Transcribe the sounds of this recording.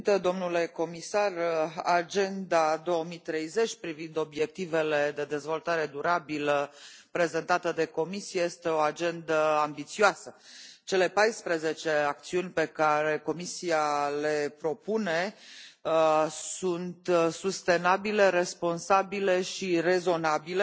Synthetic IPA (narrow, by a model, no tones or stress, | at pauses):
t̪əd̪o̞mnule̞ko̞misarad͡ʒe̞nd̪ad̪o̞əmit̪ɾe̞jze̞t͡ʃʲpɾivind̪o̞bje̞k̚t̪ive̞led̪e̞d̪e̞zvo̞lt̪aɾe̞d̪uɾabilə | pɾe̞ze̞nt̪at̪əd̪e̞ko̞misiejest̪e̞o̞ad͡ʒe̞nd̪əambit̪sioasət͡ʃe̞le̞pajspɾeze̞t͡ʃe̞ak̚t̪siunʲpe̞kaɾe̞ko̞misiale̞pɾo̞pune̞ | sunt̪sust̪e̞nabile̞ɾe̞spo̞nsabile̞ʃire̞zo̞nabile